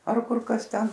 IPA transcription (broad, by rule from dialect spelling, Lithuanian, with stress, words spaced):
ɐr ˈkʊr ˈkɐs ˈtʲɛn